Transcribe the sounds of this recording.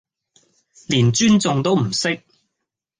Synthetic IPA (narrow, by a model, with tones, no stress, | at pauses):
liː˨˩nt͡ʃyː˥nt͡sʊ˨ŋt̪o˥wm̩˨˩sɪ˥k̚